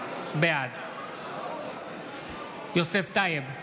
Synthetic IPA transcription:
bead̪ | joseft̪ajeb

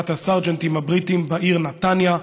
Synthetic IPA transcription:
t̪hasaʁd͡ʒɛnt̪imabʁitimbaʔiːʁnatanja

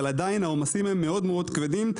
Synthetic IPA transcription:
lad̪ajnaomasimemːe̞o̞d̪meo̞d̪kved̪im

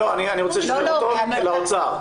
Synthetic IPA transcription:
oanianiʁot͡seʃeat̪ol | laot͡sa

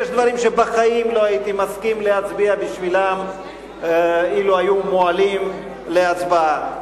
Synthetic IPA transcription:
jeʃd̪vaɾimʃe̞baχajimlo̞ajit̪imaskimle̞at͡sbiabiʃvilam | iluajumoalim | le̞at͡sbaa

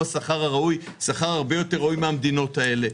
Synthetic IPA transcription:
saχaʁaʁauj | saχaʁaʁbe̞jo̞t̪eʁaujmeamd̪ino̞t̪ae̞le̞

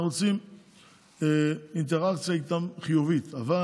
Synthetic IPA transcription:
ot͡sim | eint̪eʁakt͡sjait̪amχijuvit̪ava

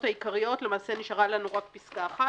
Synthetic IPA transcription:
thaikaʁijo̞t̪le̞maːse̞niʃaʁalanuʁakpiskaːχa

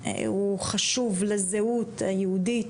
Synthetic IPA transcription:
uχaʃuvlezeutajehudit

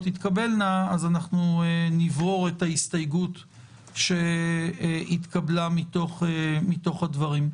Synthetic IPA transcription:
tit̪kabe̞lnaːzanaχnuenivʁo̞ʁe̞thaistajɡut | ʃe̞ | it̪kablamit̪o̞χemito̞χhadvaʁim

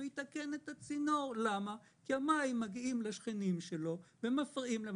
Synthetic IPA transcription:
hit̪ake̞net̪at͡sino̞ʁlama | kiamaimːaɡiimlaʃχinimʃelo̞vemafʁiimle

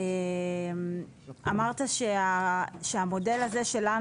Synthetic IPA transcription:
em | amaʁt̪aʃeaʃeamo̞de̞laze̞ʃe̞la

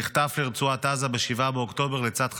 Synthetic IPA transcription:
iχt̪afliʁt͡suatazabeʃivabeokt̪o̞be̞ʁlet͡sad̪χ

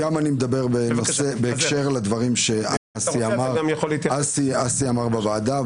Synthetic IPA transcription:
amanimed̪abe̞ʁbenosebeːkʃe̞ʁled̪vaʁimʃea | siamaʁmjolitasiasiamaʁbavaːda

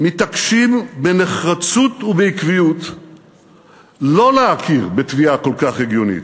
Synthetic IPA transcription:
mit̪akʃimbene̞χʁat͡sut̪ubeikvijut̪ | lo̞leakʰiʁbet̪viako̞lkaχeɡjo̞nḭt̪

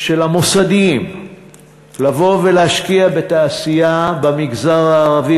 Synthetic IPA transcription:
ʃe̞lamosad̪im | lavo̞velehaʃkiabe̞t̪aːsijabamiɡzaʁaːʁavi

